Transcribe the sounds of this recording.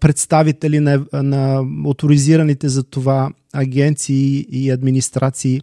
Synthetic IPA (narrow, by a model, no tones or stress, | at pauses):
pɾɛt̪st̪avit̪ɛlinɐnɐot̪ʊɾiziɾɐnit̪ɛzɐt̪ova | ɐɡʲɛnt̪siːɐd̪minist̪ɾʔat̪siː